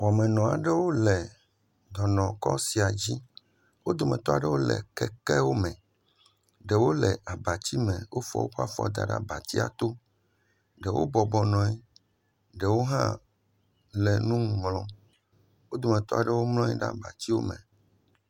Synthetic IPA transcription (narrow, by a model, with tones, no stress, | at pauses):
wɔ˨mɛ̃˨nɔ̃˨a˨ɖɛ˦wo˦lɛ˨ | d̪ɔ˨nɔ̃˨kɔ˦si˨a˨d͡ʑi˦ | wo˦d̪o˨mɛ̃˨t̪ɔ˦a˨ɖɛ˦wo˦lɛ̰˨kɛ˨kɛ˦wo˦mɛ̃˨ | ɖɛ˨wo˦lɛ˨ʔa˨ba˨t͡ɕi˦mɛ̰̃˨wo˦fɔ̰˦wo˦ɸa˦fɔ̰˦d̪a̰˨ɖa̰˦ba˨t̪i˦a̰˨t̪o˦ | ɖɛ˨wʔo̰˦bɔ˨bɔ˨nɔ̃˨i˦ | ɖɛ˨wo˦ɦã˦ | lɛ˨nũ˦m˨mlɔ̃˦ | wo˦d̪o˨mɛ̃˨t̪ɔ˦a˨ɖɛ˦wo˦mlɔ̃˦ɲḭ˦ɖa̰˦ba̰˨t͡ɕi˦wo̰˦mɛ̰̃˨